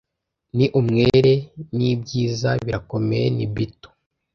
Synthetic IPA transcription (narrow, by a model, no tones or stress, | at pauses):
niʔumŋeɾe̞nibɟiːzaβiɾako̞mejenibito̥